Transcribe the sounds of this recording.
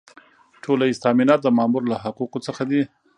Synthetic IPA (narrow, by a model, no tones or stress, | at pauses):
ʈʰolaizt̪ɑminɑt̪̚d̪əmɑmuɾlaɦaquqot͡səxad̪i